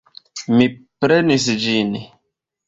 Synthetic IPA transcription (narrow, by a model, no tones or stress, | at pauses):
mipɾenis̬d͡ʒin